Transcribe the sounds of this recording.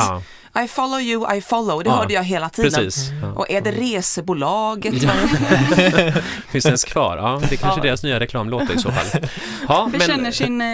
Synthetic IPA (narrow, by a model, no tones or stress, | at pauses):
ʔajfɑloʊjʊʔa̰jfɑlːoʊd̪ɛɦœːɖəjɑːɡɦeːlat̪ʰiːɾɛd̪əiːsʔɔæɖɛɾeːsəbulɑːɡət̪ | fɪnsd̪ɛnskʰvɑ̰ːɾɑːd̪ɛkʰanʂəd̪eːɾasnyːaɾɛkʰlɑːmloːt̪ɾɪsoːfa̰l | hɑːbɛmɛnɛnːəʂɪn